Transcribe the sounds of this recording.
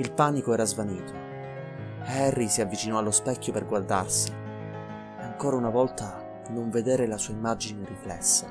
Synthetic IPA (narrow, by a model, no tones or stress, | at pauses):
ilpaːnikoɛːɾazvaniːt̪o | hɛrːisiavːit͡ʃinɔalːospɛkʰʲːoperɡward̪arsi | aŋkoːɾaunavɔlt̪a | noɱved̪eːɾelasuːaimːad͡ʒineriflɛ̰sːa